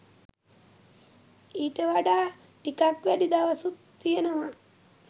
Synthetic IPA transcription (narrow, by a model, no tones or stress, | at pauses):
iːʈəʋaɖaː | ʈikakʋæɖid̪aʋasut̪ːijənəʋa